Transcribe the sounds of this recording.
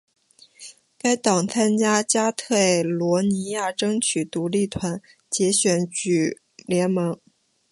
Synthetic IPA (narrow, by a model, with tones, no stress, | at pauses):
ka˥ɪt̪ɑ˨˩ŋt͡sʰa˥nt͡ɕja˥t͡ɕja˥t̪ʰe˥˩ɪlwɔ˧˥ni˧˥ja˥˩ʈ͡ʂɤ˥ŋt͡ɕʰy˨˩t̪u˧˥li˥˩t̪ʰwa˧˥n | t͡ɕjɛ˧˥ɕɥɛ˨˩˥nt͡ɕy˨˩ | ljɛ˧˥nmɤ˧˥ŋ